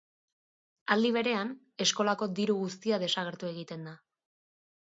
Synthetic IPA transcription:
ald̪iβ̞e̞ɾe̞an | e̞sko̞lako̞d̪iɾuɣust̪iaðe̞saɣ̞e̞ɾt̪ue̞ɣ̞it̪e̞nd̪a

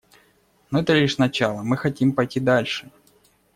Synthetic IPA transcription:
noɛt̪əlʲiʂnɐt͡ɕalˠəmɨxɐtʲimpɐjtʲid̪alʲʂɨ

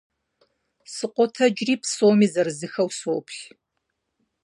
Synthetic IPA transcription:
sɨqʷʼɔtʰɐd͡ʒriːpsoːmiːzɐrɨzɨxɐwsoːpʰɬ

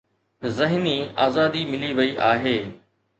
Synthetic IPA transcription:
zɐɦniaːzaːd̪imɪliʋɐiʔaːɦeː

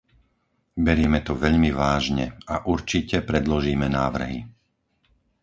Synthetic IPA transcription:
bɛɾiːmɛt̪ɔʋɛʎmiʋaːʒɲɛ̰aʔuɾt͡ʃicɛpɾɛd̪lɔʒiːmɛnaːʋr̩ɦi

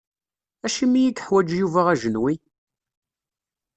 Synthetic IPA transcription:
æʃimijid̪ħwæd͡ʒjuvaʁæʒənwi

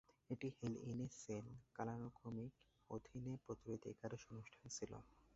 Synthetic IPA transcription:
eʈihelinesenkalanokʰomik | od̪ʱinepɾot̪uɾid̪ḛkaɾeʃonuʃʈʰant͡ɕʰilo̰

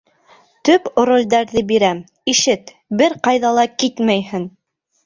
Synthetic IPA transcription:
t̪ɵpɾolʲd̪æɾðɘbiɾæm | iʃɘt̪ | bɘɾqɑjðɑlˠɑkit̪mæjhɘn

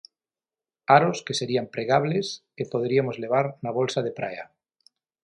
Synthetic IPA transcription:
aɾoskeseɾiampɾeɣ̞aβleskepoðɾiamozle̞β̞aɾnaβ̞o̞lsað̞epɾa̰ja̰

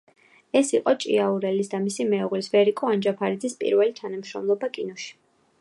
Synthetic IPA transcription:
ɛsiqʼɔt͡ʃʼḭauɾɛlisd̪amisimɛuʁlisvɛɾikʼɔand͡ʒapʰaɾid̪zispʼḭɾvɛlit̪ʰanamʃɾɔ̰mlˠɔbakʼinɔʃi̥

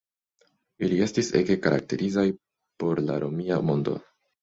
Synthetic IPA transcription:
ilie̞stise̞kekaɾʔa̰k̚te̞ɾizaj | po̞ɾla̰ɾo̞miamo̞ndo̞̰

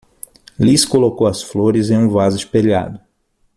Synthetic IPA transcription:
liskolokowɐsfloɾɪzẽj̃ũvazʊispeʎa̰d̪ʊ

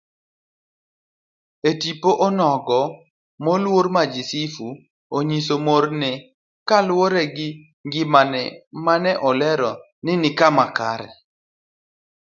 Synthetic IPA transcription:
etipoʔɔnɔɡɔ | mɔlwoɾmad͡ʒisifu | oɲisomoɾnɛ | kalwoɾɛɡɪ | ŋɡɪmanɛ̰manɛʔɔlɛɾɔ | nɪnɪkamakaɾɛ̰

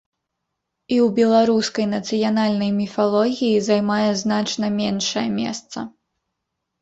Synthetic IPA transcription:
iwbʲɛlˠaɾuskɐjnɐt̪sɨjanalʲnɐjmʲifalˠɔɣʲijizajmajɛznat͡ʂnɐmʲɛnʂɐjɛmʲɛ̰st̪sɐ̰

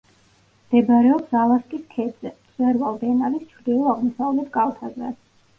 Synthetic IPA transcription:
md̪̥ɛbɾɛɔpsalˠaskʼiskʰɛd̪zɛt̪sʼwɛɾvalˠbɛnalist͡ʃʰɾd̪ilˠɔaʁmɔsavlɛt̪ʰɡʼalˠt̪ʰazɛ̰

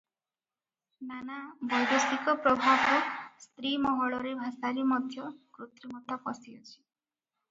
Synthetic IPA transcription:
nanabɔjd̪ɔst̪ikɔpɾɔbʱabɔst̪ɾimɔɦɔɭɔɾebʱasaɾimɔd̪ʱjɔkɾut̪ɾimɔt̪apɔsiɔt͡ʃʰi̥

